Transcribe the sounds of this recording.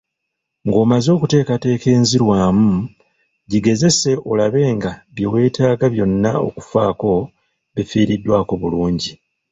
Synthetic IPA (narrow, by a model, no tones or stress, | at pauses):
ŋɡo̞ːmazo̞ːkute̞ːkate̞ːke̞ːnziɾwaːmu | ɟiɡe̞ze̞se̞ʔo̞laβe̞ːŋɡaβjowe̞ːtʰaːɡaβjo̞nːa̰o̞̰ku̥faːko̞ | βifiːɾidːwaːko̞βuluːɲɟi